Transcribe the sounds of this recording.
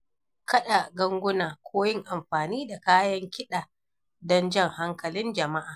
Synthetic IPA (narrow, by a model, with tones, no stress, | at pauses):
kʰɐ˦ɗa˨ɡɐ˦ŋɡʷʊ˦naː˨kʷʰoː˦jɪ˦ŋʔa˨mɸaː˨niː˦da˨kaː˦jɐ˦ŋkʲɪ˦ɗaː˨ | dɔ˦nd͡ʒɐ˦˨ŋha˦ŋkɐ˨lɪ˦nd͡ʒɐ˨ma˦ʔaː˨